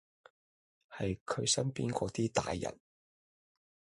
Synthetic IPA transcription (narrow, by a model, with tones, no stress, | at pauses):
hɐ˨jkʰɵ˨˧ɥsɐ˥npiː˥nkɔː˨˧t̪iː˥t̪a̰ː˨˧jːɐ̰˨˩n